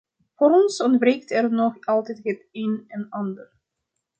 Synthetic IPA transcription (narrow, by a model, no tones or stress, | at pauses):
voːɾɔnsɔndbreːjk̚tɛrnɔχɑlˠtɛjtɦətejnɛnɑndər